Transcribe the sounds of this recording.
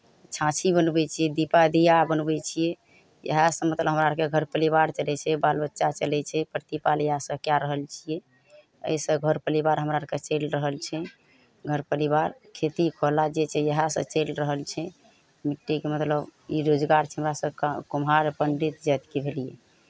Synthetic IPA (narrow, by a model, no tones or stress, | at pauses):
t͡ʃʰãt͡ʃʰibənbɛt͡ʃʰijɛd̪ipad̪ijabənbɛt͡ʃʰijɛ | jə̰ɦasə̃mət̪ləbʱɦəmɾaəɾkeɡʱəɾpəlibaɾt͡ʃəlɛt͡ʃʰɛbalbətːʃat͡ʃəlɛt͡ʃʰɛpəɾt̪ipaljəɦasə̃kjaɾəɦəlt͡ʃʰijɛ | ə̰jsə̃ɡʱəɾpəlibaɾɦəmɾaəɾket͡ʃelɾəɦəlt͡ʃʰɛ | ɡʱəɾpəɾiβaɾkʰet̪ikʰolad͡ʒet͡ʃʰɛjəɦasə̰̃t͡ʃelɾəɦəlt͡ʃʰɛ | miʈːikemət̪ləbiɾod͡ʒɡaɾt͡ʃʰɛɦəmɾasəkumɦaɾpəɳɖit̪d͡ʒat̪kebʱelijɛ̰